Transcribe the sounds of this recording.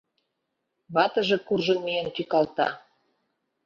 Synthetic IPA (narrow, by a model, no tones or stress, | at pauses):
βɑt̪ə̆ʒĕkurʒɤ̆nmiənt̪ykɑlt̪ɑ̰